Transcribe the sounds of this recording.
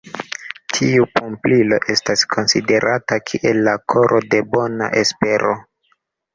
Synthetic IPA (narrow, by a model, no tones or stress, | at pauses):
tʰiupʰumplilo̞ʔe̞staskʰo̞nside̞ɾʔatakʰiʔe̞lːakʰo̞ɾʔo̞de̞bo̞na̰ʔe̞spe̞ɾo̞